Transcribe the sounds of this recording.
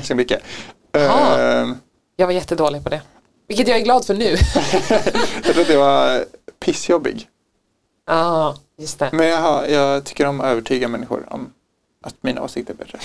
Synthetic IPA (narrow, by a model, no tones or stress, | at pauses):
skmʏkːə | jɑːɡvaɾjɛt̪ːəd̪oːlɪɡ̚pʰɔd̪ɛ | vɪlkːət̪jɑːɡæɾɡlɑːd̪fœɳʉ̟ː | jɑkt̪ɾuːat̪jɛvaɾpʰɪsːjɔbːɪ̰ɡ | ʔɑːjɵst̪ɛmɛnjɑɦajɑːt̪ʰʏ̥kːəɾɔmøːvəʈʰyːɡamɛnːɪɧʊ̰ɾɔ̰m | ʔat̪miːnao̰ːsɪkt̪əɾbɛt̪ːɾə